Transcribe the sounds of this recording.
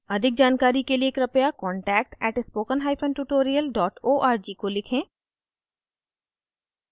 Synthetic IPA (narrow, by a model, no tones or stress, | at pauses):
ɐd̪ʱɪk̚d͡ʒaːnkaːɾikelieːkɾɐpjakɔːɳʈɛːk̚ʈɛːʈɪspoːkənɦaːipʰə̃nʈuʈoːɾijəlɖɔːʈoːʔaːɾd͡ʒiːkolɪkʰẽː